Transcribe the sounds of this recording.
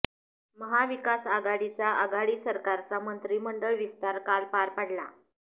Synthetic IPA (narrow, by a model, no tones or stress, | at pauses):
məɦaʋikasaɡaɽit͡saʔaɡaɽiːsəɾkaɾt͡samənt̪ɾiːməɳɖəɭʋist̪aɾkalpaɾpaɽla̰